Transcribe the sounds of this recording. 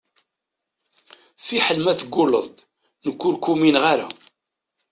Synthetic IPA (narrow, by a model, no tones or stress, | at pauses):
θiħəlmæθɡːʊləðˤ | nəkːʊɾkːuminʁaɾa̰